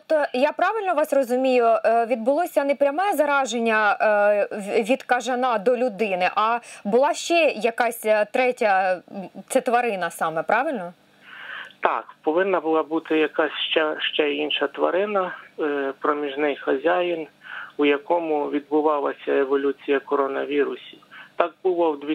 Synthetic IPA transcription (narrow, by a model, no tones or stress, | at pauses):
tɔp̚t̪ɔjapɾɑʋɪlʲnɔʋɑsrɔzʊmʲijʊʋʲid̪̚bʊlˠɔsʲɐnɛpɾʲɐmɛzɐɾɑʒenʲːɐ | ʋʲid̪kɐʒɐnɑd̪ɔlʲʊd̪ɪnɪʔɐbʊlˠɑʃt͡ʃɛjɐkɑsʲt̪ɾɛtʲɐ | t͡s̪ʲɛt̪ʋɐɾɪnɐsɑmɛpɾɑʋɪlʲnɔ | t̪ɑ̰kpɔʋɪnːɐbʊlˠɑbut̪ɪjɐkɑsʲʃt͡ʃɛʃt͡ʃɛinʃɐt̪ʋɐ̰ɾɪnɐ | pɾɔmʲiʒnɪjxɐzʲajinujɐkɔmʊʋʲid̪̚bʊʋɑlˠɐ̰sʲɐeʋɔlʲut͡sʲijɐkɔɾɔnɐ̰ʋʲiɾʊsʲit̪ɑk̚bʊlˠɔwd̪ʋʲ